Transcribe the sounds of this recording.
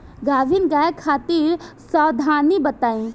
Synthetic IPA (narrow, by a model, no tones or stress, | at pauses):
ɡaːʋɪnɡaːekʰaːt̪iːɾsɔːd̪ʱaːnibɐt̪aːĩ